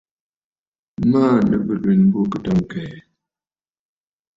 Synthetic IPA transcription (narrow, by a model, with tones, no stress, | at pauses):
maː˦˨nə̰˨bə˨li˨n˦bu˦kə˨tɔ˦˨ŋ˨kɛ˨